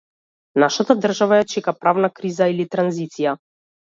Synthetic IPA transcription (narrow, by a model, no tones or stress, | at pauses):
naʃat̪ad̪r̩ʒavajat͡ʃɛkapɾavnakɾizailit̪ɾanzit̪sija